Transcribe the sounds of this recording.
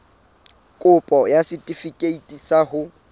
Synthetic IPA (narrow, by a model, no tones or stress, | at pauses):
kʼʊpʼɔjasɪtʼifikʼeitʼisaɦʊ